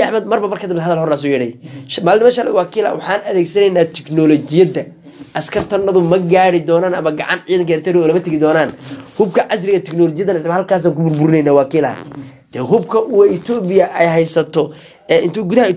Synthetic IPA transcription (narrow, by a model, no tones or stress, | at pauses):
ħmɐd̪mɐrbɐmɐrkʰɐd̪ɪmhɐðɐlhɔrnaːs̬ʊjɛɽɛjʃmaːlnɪmɐʃɐlɛ̰wɑːkʰiːlɐ̰wɑħɑːnɐðɛːɡsɐnɛjnːaːt̪ʰɛknɔlɔt͡ʃɪjɐd̪ɐ | ʔɐskʰɐrt̪ʰɐnɐðʊmɐɡaːɽɪd̪ɔːnaːnɐmɐɡɑʕɑ̰nʕiːðɐŋkɐɾt̪ʰɛɾɪɔːlɐmɐt̪ʰɐɣɪd̪ɔːnaːnhʊb̚kʰɐʕɑs̬ɾɪɣɐt̪ʰɛknɔːlɔːt͡ʃɪjɐðɐnɐɪsɐmhɐlkʰaːs̬aːŋkʊbʊrbʊɾɪnɛjnaːwɑːkʰiːlɐ̰ɐ̰d̪̥ɛːɦʊbkʰɐʔʊwɛɪt̪ʰɔːbɪjɐʔɛjɦɛjsɐt̪ʰɔ | ɛːɪnt̪ʰʊɡʊðɐhɐ